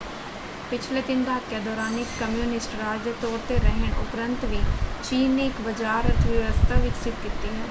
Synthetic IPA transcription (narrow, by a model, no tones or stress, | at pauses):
pɪt͡ʃʰleːd̪ɪnd̪aːkjaːd̪ɔːɾaːnɪkːəmjuːnɪsʈɾaːd͡ʒjət̪ɔːɾt̪eːɾəɦəɳʊ̰pɾənt̪ʋiːt͡ʃiːnːeːɪkbəd͡ʒaːɾət̪ʰʋjəʋəst̪ʰaːʋɪksɪt̪kit̪iːɦɛː